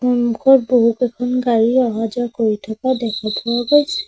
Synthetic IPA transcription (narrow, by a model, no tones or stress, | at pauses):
ɔmkʰɔɹboɦukɛkʰɔnɡaɹiɔɦad͡ʒɔkoɹit̪ʰakadɛkʰapɔwaɡɔjsʰɛ̥